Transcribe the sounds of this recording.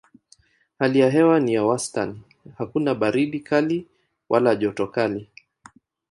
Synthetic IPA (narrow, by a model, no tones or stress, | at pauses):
halijaɦɛwanijawastani | hakunaɓaɾiɗikali | wʔa̰laʄɔtɔkali